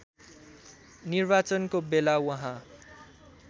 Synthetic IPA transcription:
nirbat͡sʌnkobelawʌɦã

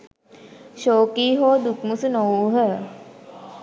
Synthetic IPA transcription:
ʃoːkiːɦoːd̪ukmusunowɦə

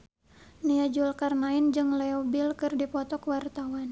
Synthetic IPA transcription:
niad͡ʒulkarnaind͡ʒɨŋlɛɔbilkɨrdipɔt̪ɔkəwart̪awan

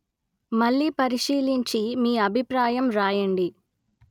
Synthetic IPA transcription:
mɐɭːiːpɐɾiʃiːliɲt͡ʃimiːɐbʱipɾaːjɐmɾaːjɐɳɖi

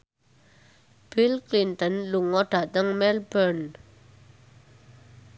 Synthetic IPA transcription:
b̥ilklint̪ɔnluʔŋɔʈ͡ʂat̪aŋmɛlbɛɹn

